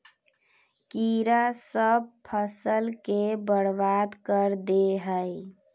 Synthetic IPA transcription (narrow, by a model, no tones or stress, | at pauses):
kiɾasəb̚pʰəsəlkebəɽbad̪kəɾd̪eɦəj